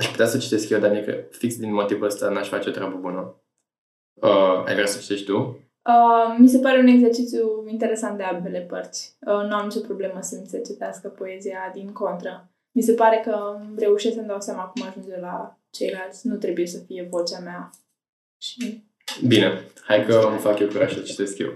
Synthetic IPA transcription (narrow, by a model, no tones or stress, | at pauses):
aʃpu̥t̪easət͡ʃi̥t̪eskjed̪anijekə̰fiksd̪inmo̞t̪ivuəst̪anaʃfa̰t͡ʃeo̞t̪ɾʲeabəbunə | əa̰jɡɾasə̥t͡ʃi̥t̪e̞ʃt̪̚ʲt̪u | əːis̬e̞paɾe̞une̞ɡze̞rt͡ʃit̪sjuint̪e̞ɾe̞sant̪̚d̪eambe̞le̞pərt̪sʲənuamt͡ʃepɾo̞ble̞məsənsət͡ʃit̪easkəpo̞e̞ziad̪iŋko̞nt̪ɾə | mis̬e̞paɾe̞kəre̞uʃesksəmd̪awsjamaːkumaʒund͡ʒela | t͡ʃe̞jlalt̪sʲnut̪ɾe̞buje̞səfije̞vo̞t͡ʃeamea | ʃi | bine̞hajkəmfakjewkuɾa̰ʃult͡ʃi̥t̪e̞skʲjḛw